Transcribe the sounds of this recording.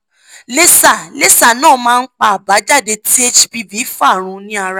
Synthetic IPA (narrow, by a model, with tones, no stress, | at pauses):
le˦sa˦˨le˦sa˨nãː˦˨mãː˦˧n̩˦k͡pa˧a˨ba˨˦d͡ʒa˦˨de˧tʰi˦e˦t͡ʃbi˦vi˨˦fa˦˨ɾ̃ũ˨˧nĩ˦a˧ɾa˦